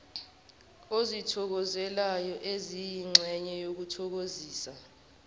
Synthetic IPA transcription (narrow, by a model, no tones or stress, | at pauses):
ozitʰɔk̬ɔzɛlajɔʔezijiŋ͡ǁʱɛɲɛjok̬utʰɔk̬oziːsa